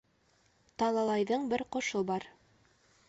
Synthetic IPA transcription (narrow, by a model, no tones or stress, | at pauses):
t̪ɑlˠɑlˠɑjðɤɴbɘɾqŏʃobɑɾ